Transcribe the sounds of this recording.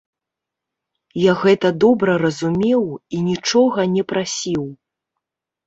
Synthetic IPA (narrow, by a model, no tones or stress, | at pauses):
jaɣɛt̪ɐd̪ɔbɾɐɾɐzumʲɛwinʲit͡ʂɔɣɐnʲɛpɾasʲiw